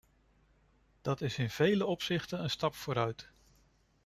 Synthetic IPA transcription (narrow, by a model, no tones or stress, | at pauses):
d̥ɑtɪsɪnv̥ejləɔpsɪχtənənstɑpfʊːɾœɥt